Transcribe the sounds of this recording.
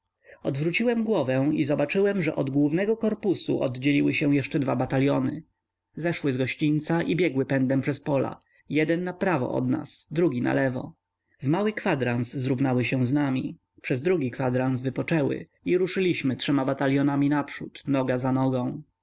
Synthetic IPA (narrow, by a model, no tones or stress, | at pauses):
ɔd̪vɾut͡ɕiwɛmɡwɔvɛ̃izɔbat͡ʂɘwɛmʐɛʔɔd̪ɡwuvnɛɡɔkɔɾpusṵʔɔd̪d͡ʑelʲiwɘɕɛ̃w̃jɛʂt͡ʂɛd̪vabat̪aljɔnɘ | zɛʂwɘzɡɔɕt͡ɕint̪saʔibʲjɛɡwɘpɛnd̪ɛmpʂɛspɔla̰ | jɛd̪ɛnːapɾavɔ̰ʔɔ̰d̪na̰sd̪ɾuɡʲina̰lɛvɔ̰ | vmawɘkfad̪ɾanszɾuvnawɘɕɛ̃znamʲḭ | pʂɛzd̪ɾuɡʲikfad̪ɾansvɘpɔt͡ʂɛwɘ̰ | iɾuʂɘlʲiɕmɘtʂɛmabat̪alʲjɔnamʲinapʂut̪nɔɡazanɔɡɔ̃w̃